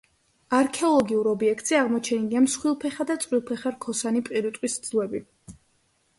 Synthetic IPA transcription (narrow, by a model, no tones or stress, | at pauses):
aɾkʰɛɔlˠɔɡiuɾɔbiɛk̚ʰt̪ʼz̥ɛaʁmɔt͡ʃʰɛniliamsχwilˠpʰɛχad̪at̪sʼwilˠpʰɛχaɾkʰɔsanipʼiɾit̪ʼqʼwisd̪zlˠɛbi